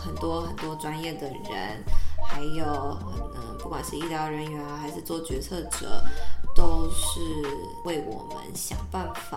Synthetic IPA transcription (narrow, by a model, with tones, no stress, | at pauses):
xə˨˩nt̪wɔ˥xə˨˩nt̪wɔ˥ʈ͡ʂwa˥njɛ˥˩d̪ə˩ɻə̰˧˥nxa˧˥ɪjo˨˩ʊə˧pu˥˩kwa˨˩nʂɻ̩˥˧i˥˩ljɑ˧˥ʊɻə˧˥nɥɛ˧˥n˧xa˧ɪʂɻ̩˥˧t͡swɔ˥˩t͡ɕɥɛ˧˥t͡sʰɤ˥˩ʈ͡ʂɤ˨˩t̪o˥ʊʂɻ̩˥˧ | we˥˩ɪwɔ̰˨˩mə̰˦nɕjɑ˨˩ŋpa˥˩nfa˨˩